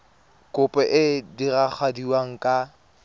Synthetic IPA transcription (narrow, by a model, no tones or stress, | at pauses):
kʼʊpʼɛʔɪdirak͡xʰwadiwaŋ̩kʼa